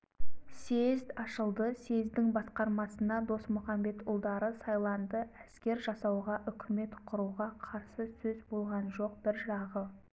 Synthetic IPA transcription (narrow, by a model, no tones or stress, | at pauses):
se̞zd̪ɑʃəlˠd̪əse̞zd̪ɪŋbɑsqɑɾmɑsənɑd̪o̞smʊχɑmbe̞t̪ʊlˠd̪ɑɾəsɑjlˠɑnd̪əʔæskʲe̞ɾʒɑsɑwʁɑʔʏkʲʰɪme̞t̪qʰʊɾuʁɑqʰɑɾsəsɵzbo̞lˠʁɑnʒo̞q̚bɪɾʒɑʁə